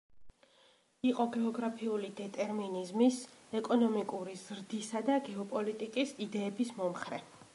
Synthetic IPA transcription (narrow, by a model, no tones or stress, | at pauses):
iqʼɔɡɛɔɡɾapʰiulid̪ɛt̪ʼɛɾminizmisɛkʼɔnɔmikʼuɾizɾd̪isad̪aɡɛɔpʼɔlit̪ʼikʼisid̪ɛːbismɔmχɾɛ